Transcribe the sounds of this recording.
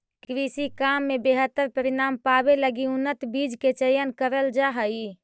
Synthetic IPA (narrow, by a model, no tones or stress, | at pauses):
kɾisikaːmːebeːɦət̪ːəɾpəɾɪnaːmpabeləɡiʊnːət̪biːd͡ʒket͡ʃəjənkəɾəld͡ʒaɦəi